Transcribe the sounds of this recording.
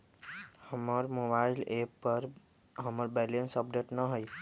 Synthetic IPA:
həməɾmobailepːəɾ | ɦəməɾbelensəp̚ɖeʈnəɦoj

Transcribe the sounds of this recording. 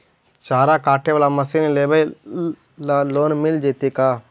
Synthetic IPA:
t͡ʃaːɾakaːʈʰeʋaːlaməsinleːbə | laloːnmɪld͡ʒeːt̪ekaː

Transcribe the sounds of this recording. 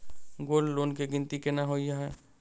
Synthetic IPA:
ɡoːlloːnkeɡɪnt̪ikenaɦoiɦɛː

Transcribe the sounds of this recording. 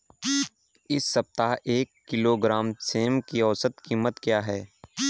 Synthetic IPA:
ɪsːɐp̚t̪aːɦʔeːkːɪloːɡɾaːmseːmkiɔːsət̪kiːmət̪kjaːɦɛː

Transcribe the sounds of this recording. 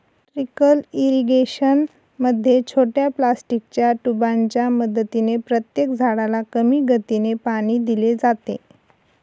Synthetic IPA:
ʈɾikəliɾiɡeɕən | məd̪ʱːjet͡ɕʰoʈjaplasʈik̚t͡ɕjaʈubaɲt͡ɕjaməd̪ət̪inepɾət̪jekd͡zʱaɽalakəmiːɡʱət̪inepaɽ̃iːd̪iled͡zat̪ḛ

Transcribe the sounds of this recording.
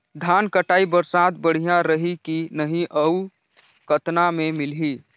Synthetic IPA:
d̪ʱaːnkəʈaːibəɾsaːd̪bəɽ̤ijãɾəɦikinəɦĩʔəu | kət̪namẽmɪlɦi

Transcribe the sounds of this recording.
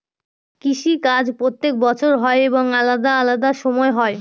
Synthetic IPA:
kiʃikad͡ʑpɾot̪ːek̚bɔt͡ɕʰoɾɦɔeeboŋalad̪aalad̪aʃɔmɔeɦɔe

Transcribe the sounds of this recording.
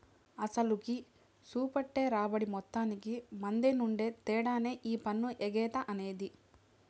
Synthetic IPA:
ɐsɐluki | suːpɐʈːe̞ːɾaːbɐɽimɔt̪ːaːnikimɐnd̪enuɳɖe̞ːt̪ɛːɽaːneːʔiːpɐnːuʔeɡɛːt̪ɐʔɐne̞ːd̪i

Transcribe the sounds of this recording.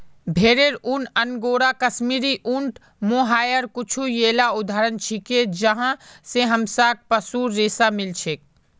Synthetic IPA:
bʱeːɾeɾunənɡoːɾakɐʃmiːɾiʔuɳʈ | moːɦaːjəɾkʊt͡ʃʰujeːlaʊd̪ʱaːɾənt͡ʃʰiked͡ʒəɦãseɦəmsaːk̚pəsuːɾːeːsamɪlt͡ʃʰeːk̚

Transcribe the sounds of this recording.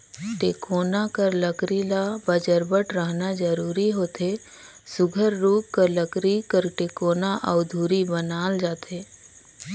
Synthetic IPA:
ʈeːkoːnakəɾləkɾilabəd͡ʒəɾbəʈɾəɦnad͡ʒəɾuːɾiɦoːt̪ʰe | sʊɡʱəɾːuːkkəɾləkɾikəɾʈeːkoːnaʔəʊd̪ʱuːɾibənaːld͡ʒaːt̪ʰeː

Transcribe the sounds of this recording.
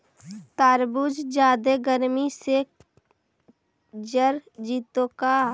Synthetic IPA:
t̪aːɾbud͡ʒd͡ʒaːd̪eɡəɾmise | d͡ʒəɾd͡ʒiːt̪okaː

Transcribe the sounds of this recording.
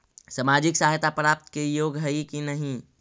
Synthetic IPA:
səmaːd͡ʒɪksaɦjt̪apɾaːp̚t̪kejoːɡɦəikinəɦĩ

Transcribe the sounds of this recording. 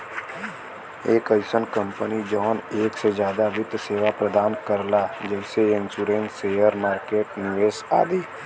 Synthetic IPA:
eːkəɪsənkə̃mpənid͡ʒɔːneːksed͡ʒjaːd̪aʋɪd̪seːʋapɾəd̪aːnkəɾlad͡ʒɛːseɪ̃nsuːɾẽːnseːjəɾmaːɾkeːʈnɪʋeːsa̰ːd̪iː

